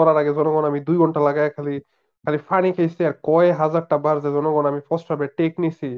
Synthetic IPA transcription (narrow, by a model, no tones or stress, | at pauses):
ɔɾaɾaɡezɔnɔɡɔnamid̪ujɡʱɔɳʈalaɡajkʰali | kʰalifʰanikʰejsiaɾkɔeɦazaɖ̚ʈabaɾzezɔnɔɡɔnamifɔsʈabeʈeknisʰi